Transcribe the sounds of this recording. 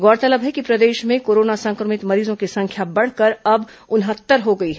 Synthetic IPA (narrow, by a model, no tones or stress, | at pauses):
ɡɔːɽt̪ələbɦɛkipɾɐd̪eːʃmẽkoːɾoːnasɐ̃ŋkɾəmɪt̪mɐɾiːzõkisɐ̃ŋkʰjabɐɽ̤kəɾɐb | ʊnɦət̪ːəɾɦoɡɐiɦɛ